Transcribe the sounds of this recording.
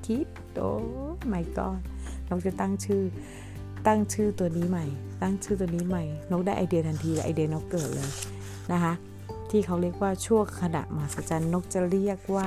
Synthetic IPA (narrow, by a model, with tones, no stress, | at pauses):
kʰi˦˥t̪̚ | o̰ː˧˦ma˧˩˦jkɔ̰ː˧˩nːo˧˦˥k̚t͡ɕa˨˧˩t̪a˥˩ŋt͡ɕʰɯː˧˥˩ | t̪a˥˩ŋt͡ɕʰɯː˧˥˩t̪u˧əniː˦˥ma˧˩jt̪a˥˩ŋt͡ɕʰɯː˧˩u˧˩əniː˦˥ma˧˩jno˦˥k̚daː˥˩jʔaː˧˩di˧ət̪ʰa˧ŋt̪ʰiː˧lɛ˧˩ʔaː˨˩di˧ənɔː˨˦˥kːɤː˨˩t̪̚lɤː˧j | na˧˦˥kʰa˧˦˥ʔ | t̪ʰiː˧˥˩kʰa˧˩wli˧˩ək̚waː˧˩t͡ɕʰu˥˩əŋkʰa˧na̰˨˩ʔmaː˨˩sa˧˩t͡ɕa˧nːo˧˦˥k̚t͡ɕa˧li˧˥˩ək̚waː˧˩